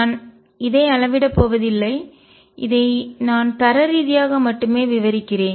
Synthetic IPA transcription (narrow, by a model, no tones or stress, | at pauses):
n | ɪðɐɪɐɭɐʋɪɽɐpːoːʋɐðɪlːɐɪ | ʔɪðɐɪnaːnt̪ɐɾɐɾiːðɪjaːɣɐmɐʈːɯmeːʋɪʋɐɾɪkːɪɾeːn